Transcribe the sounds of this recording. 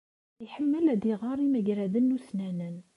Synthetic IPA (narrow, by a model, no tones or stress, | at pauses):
iħəmːəlæd̪iʁɑɾˤimæʝɾæðənːuθnænən